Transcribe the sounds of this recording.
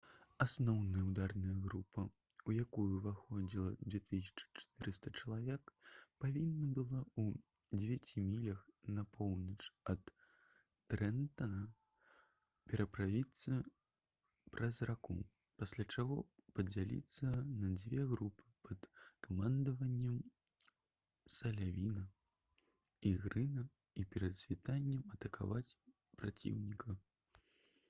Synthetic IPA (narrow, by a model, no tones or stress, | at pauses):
asnɔwnɐjɐwd̪arnɐjɐɣɾupʰɐ | ujakujuvaxɔd͡zʲilˠɐd͡zʲvʲɛt̪ɨsʲɐ̥t͡ʂɨ̥t͡ʂɐ̥t̪ɨɾɨst̪ɐt͡ʂɐlˠavʲɛkpavʲinːɐbɨlˠau | d͡zʲevʲat͡sʲimʲilʲɐxnɐpʰɔwnɐt͡ʂɐt̪ː | ɾɛnt̪ɐɐ | pʲɛɾɐpɾavʲit̪sːɐ | pɾɐzrakṵ | pasʲlʲat͡ʂaɣɔ̰pɐd͡zʲalʲḭt̪sːɐnɐd͡zʲvʲɛɣɾupɨ̥pʰɐt̪kɐmand̪ɐvɐnʲːɐm | sɐlʲavʲinɐ | iɣɾɨnɐ | ipʲɛɾɐd̪sʲvʲit̪anʲːɐmɐt̪ɐka̰vat͡sʲ | pɾat͡sʲḭwnʲikɐ